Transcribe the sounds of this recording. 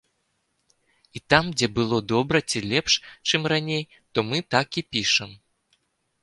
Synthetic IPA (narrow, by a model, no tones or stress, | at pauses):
it̪amd͡zʲɛbɨlˠɔd̪ɔbɾɐt͡sʲilʲɛpʂt͡ʂɨmranʲej | t̪ɔmɨt̪akipʲiʂɛm